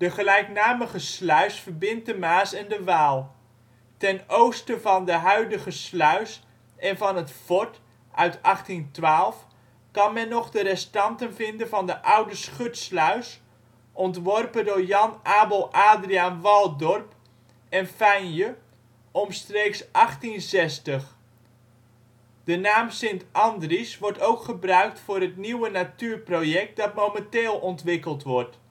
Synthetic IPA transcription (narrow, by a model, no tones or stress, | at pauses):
d̥əχəlɛjknaːməχəslœɥsfərbɪnt̚dəmaːsɛndəʋaːlˠ | tɛnowstəvɑndəɦœɥdəɣəslœɥs | ɛnvɑnətfɔɹt | ʔœɥtɑχtintʋaːlˠf | kɑnmɛnːɔχdəɾɛstɑntənvɪndənvɑndəʔʌwdəsχøtslœɥs | ʔɔntʋɔrpədʊːrjɑnʔaːbəlˠʔaːdrianʋɑlˠdɔrp | ɛnfɛjnjə | ʔɔmstreːksʔɑχtinzɛstəχ | d̥ənaːmsɪntʔɑndrisʋɔrtowkχəbrœɥk̚tfʊːrɦətniwənatyːrprojɛk̚t̚dɑtmomɛnteːlˠɔntʋɪkəlˠtʋɔrt